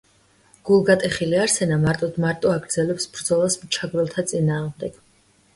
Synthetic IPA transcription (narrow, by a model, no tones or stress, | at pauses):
ɡ̥ulˠɡat̪ʼɛχiliaɾsɛnamaɾt̪ʼɔd̪maɾt̪ʼɔaɡɾd̪zɛlɛpsbɾd̪zɔlˠasmt͡ʃʰaɡɾɛlˠt̪ʰat̪sʼinaːʁmd̪ɛɡ̥